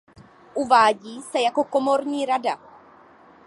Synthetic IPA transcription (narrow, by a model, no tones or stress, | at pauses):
ʔuvaːɟiːsɛjako̞ko̞mo̞ɾɲiːɾada